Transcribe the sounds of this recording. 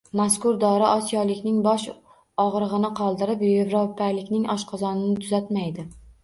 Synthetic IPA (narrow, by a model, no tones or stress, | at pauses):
maskʊɾd̪ɒɾaʔɒsijɒlˠɪkʲnɪŋbɒʃ | ɒʁɾɨʁɨnɪqʰɒlˠd̪ɪɾɪpevɾopʰːajlɪkʲnɪŋɒʃqʰɑzɒnɪnɪt̪ʰʊzat̪majd̪ɪ